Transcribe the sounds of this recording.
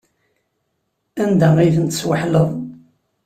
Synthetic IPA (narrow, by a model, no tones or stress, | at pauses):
ænd̪æiθənt̪ə̥swəħləðˤ